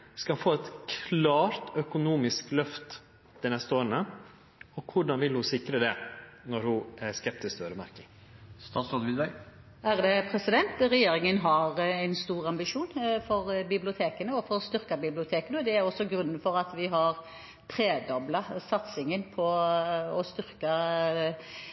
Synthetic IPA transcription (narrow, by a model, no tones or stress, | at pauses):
skɑfoːɛt̪kʰlɑːɾt̪œkʊnuːmɪsklœft̪ | d̪ɛnɛst̪əoːɾənə | ɔkʰʊɖɑnʋɪlhʊsɪkɾəd̪ɛnɔɾhʊæɾskɛp̚t̪ɪskt̪ʰøːɾəmæ̰ɾkɪŋ | st̪ɑːt̪sɔd̪ʋɪd̪bæ | æʁd̪ɛpʰɾɛsɪd̪ɛnt̪ʁɛjeːɾɪŋənɦɑɾæɪnst̪uːʁɑmbɪʂuːnfɔɾbɪblɪʊt̪ʰeːkənəɔfɔɾst̪ʏɾkɑbɪblɪʊt̪ʰeːkənəɔd̪ɛæɾɔsːɔɡɾʉnːənfɔɾɑt̪ʋɪɦɑʁ | t̪ʰɾeːd̪ɔblɑsɑt̪sɪŋənpʰɔɔst̪ʏɾkɑ